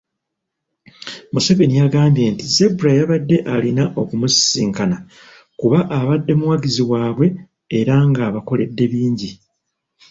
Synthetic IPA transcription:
musaβenijaɡaːmbje̞ntize̞buɾajaβadːe̞ʔalinaʔo̞kumussiːŋkana | kuβaʔaβadːe̞muwaɡiziwaːβwe̞ː | ɾaŋɡaːβako̞le̞dːe̞βiːɲɟi

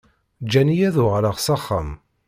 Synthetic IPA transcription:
d͡ʒːænijæðʊʁɾəʁsɑχːə̰m

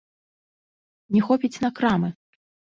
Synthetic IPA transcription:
nʲɛxɔpʲit͡sʲnɐkɾamɨ

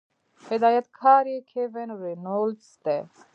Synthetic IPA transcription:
hɪd̪aːjɐt̪kʰaːɾikʰevenɾenoːlst̪ɛ

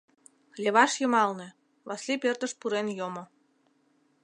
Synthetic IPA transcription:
lʲeβɑʃjɤ̆mɑlˠnĕ | βɑslʲipʲert̪ə̆ʃpuɾenjomɤ̆

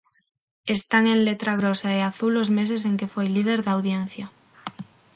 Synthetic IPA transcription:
e̞st̪aŋẽ̞nlet̪ɾaɣ̞ɾosaeaθulːozme̞s̬ese̞ŋke̞fojlið̞e̞ɾðawðjen̟θja

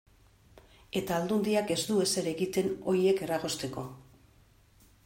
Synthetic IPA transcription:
e̞t̪aːld̪und̪iake̞zd̪ue̞se̞ɾe̞ɣit̪e̞no̞ɾie̞ke̞raɣo̞st̪e̞ko̞

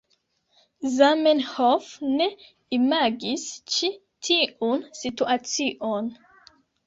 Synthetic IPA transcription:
zamenhofne̞ | imaɡist͡ʃi | tʰiʔunsituat͡siʔon

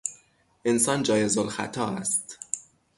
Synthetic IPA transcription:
ʔensɒːnd͡ʒɒːjezolxæ̰t̪ʰɒːæst̪

